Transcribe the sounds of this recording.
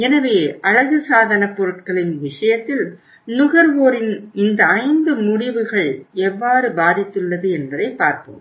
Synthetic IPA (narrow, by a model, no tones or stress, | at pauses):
ɛnɐʋeːʔɐɻɐɣɯsaːðɐnɐpːɔɾɯʈ̚kɐɭɪnʋɪʂɐjɐt̪ːɪl | nʊɣɐɾʋoːɾɪnɪnd̪ɐɐɪnd̪ɯmʊɽɪʋɯɣɐɭɛʋːaːɾɯbaːðɪt̪ːɯɭːɐðɯɛnbɐðɐɪpːaːɾpo̰ːm